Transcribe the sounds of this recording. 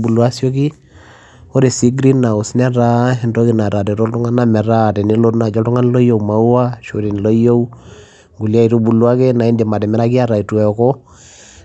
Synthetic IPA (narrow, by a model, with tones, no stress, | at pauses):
bu˨lwa˦sjo˦ki˦ | o˦ɾe˨si˦ɡɾi˦na˨u˨sna˦ɾa˦˨ndo˦ki˨na˨ta˨tɛ˨ɾo˦ltʊ˦ŋa˦na˨mɛ˨ɾa˦˨tɛ˨ni˦lo˦na˨d͡ʒɔ˦tʊ˦ŋa˦n˦lɔ˦jo˨uma˨u˦a˦ʃo˨ɾi˨n˨lo˦jo˦u | ŋɡu˨li˦a˦i˨ɾu˦bu˨lu˦a˦ke˦na˨i˦ndi˨ma˨dɛ˨mɛ˦ɾa˦ki˦a˦ɾa˨i˨tu˨ɛ˨kɔ˦